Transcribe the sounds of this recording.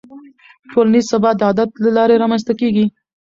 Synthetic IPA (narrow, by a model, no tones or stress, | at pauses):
ʈolanizsabɑd̪əɑd̪at̪lalɑɾeɾɑmans̬t̪akeɡi